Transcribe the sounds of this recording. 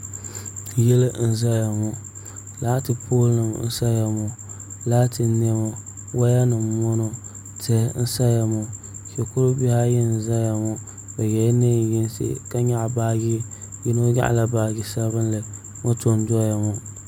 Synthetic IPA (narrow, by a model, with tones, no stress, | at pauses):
jɛ˦lɨ˦n̩˦za˦ja˨mu˨ | la˦tɨ˨pʰoː˦lnɨ˨mn̩˦sa˦ja˨mʊ˨ | laː˦tɨ˨ne˦mo˨ | wa˦ja˦nɨ˨mːo˦no˨ | tɛ˨n̩˦sa˦ja˨mʊ˨ | ʃɛ˨kʊ˦ɾʊ˦bi˦ha˦jɛ˦n̩˨za˦ja˨mʊ˨ | bɛ˨jɛ˨˦ne˦˨ji˦nsɨ̰˦ka˦ɲa˦ʔbaː˦ɡi˦jɪ˦no˦ɲa̰˦ʔla˨baː˨ɡi˨sa˦βɨ˦n˦lɨ˨ | ŋo˦to˨n˦dɔ˦ja˨mʊ˨